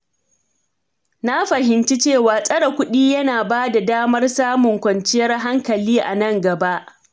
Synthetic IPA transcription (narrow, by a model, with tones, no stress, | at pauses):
na˦ɸɐ˨ɦɪ˨nt͡ʃi˦t͡ʃeː˦˨waː˨sʼɐ˦ɽa˨kʷʊ˦ɗiː˦jɐ˦naː˨baː˦da˨daː˦mɐ˦rsaː˦mʊ˨ŋkʷɐ˨nt͡ʃɪ˦jɐ˦rɦa˦ŋkɐ˨liː˦ʔa̰˨nɐ˦ŋɡɐ˨ba˦ʔ